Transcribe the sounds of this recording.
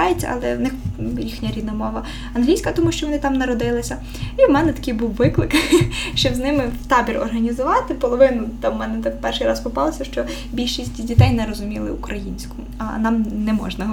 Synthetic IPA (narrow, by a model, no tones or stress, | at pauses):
ɑjet͡sʲːɐɐ̰lˠɛ̰wnɪxɾʲixnʲɐɾʲid̪nɐmɔʋɐ | ɐnɦlʲijsʲkɐt̪ɔmuʃt͡ʃɔʋɔnɪt̪ɑmnɐɾɔd̪ɪlˠɪsʲɐ | iwmɛnɛt̪ɐ̥kɪjbuwʋɪklˠɪkʃt͡ʃɔbznɪmɪwt̪ɑbʲirɔ̰rɦɐnʲizʊʋɑt̪ɪpɔlˠɔʋɪnʊt̪ɑmːɛnɛt̪pɛrʃɪjɾɑspɔpɑlˠɔsʲɐʃt͡ʃɔ | bʲilʲʃisʲtʲtʲdʲit̪ɛjnɛɾɔzʊmʲilˠɪukɾɐjinʲsʲkʊ | ɐ̰nɑmnɛmɔ̰ʒnɐ